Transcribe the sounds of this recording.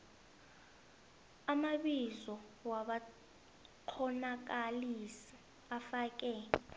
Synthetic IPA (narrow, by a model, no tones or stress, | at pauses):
amaɓizɔwaɓa | ǃʰɔnak̬alisi | afaːk̬ʼɛ